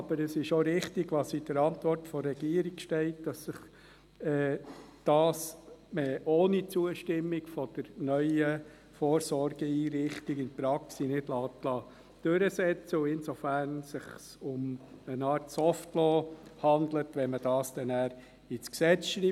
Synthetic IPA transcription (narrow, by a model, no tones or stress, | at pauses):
ɑb̥əɾəsɪʃoɾɪχtiɡʋɑsidəɾɑntvɔrtfɔːɛɡ̥iːɾiɡ̥ʃtɛɪt̚d̥ɑsːɪχ | ɛː | d̥ɑːsmɛʔoːnit͡suəʃtɪmːiɡfɔd̥əɾnœʏə | foːɾsɔɾɡ̥əiːɾɪχtiɡɪnpɾɑksinɪdlɑːtlɑː | d̪̥øɾəsɛt͡səʊɪnsɔfæːɾnsɪχsʊmənɑːɾtsɔftlɔːhɑnd̪lətʋɛnməd̥ɑːsd̥ɛnæːɾ | ɪt͡sksɛt͡sʃɾiː